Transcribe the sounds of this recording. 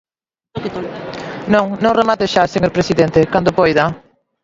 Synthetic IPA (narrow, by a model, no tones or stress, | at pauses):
ket̪olnõŋnõŋremat̪eʃaseɲoɾpɾesiðent̪ɪkand̪ʊpojða